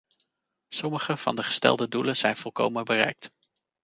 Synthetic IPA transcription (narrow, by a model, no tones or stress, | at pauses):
sɔməχəv̥ɑ̰ndəχə̥stɛ̰lˠdədulənz̥ɛjnv̥ɔlˠko̰wmənbərɛ̰jk̚t